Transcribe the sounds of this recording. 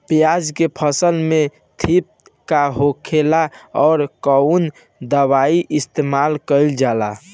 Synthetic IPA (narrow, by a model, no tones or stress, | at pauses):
pjad͡ʒkepʰəsəlme | t̪ʰip̚ | kaɦokʰelaɔːɾkəun | d̪əwaiʔist̪emalkəɪld͡ʒala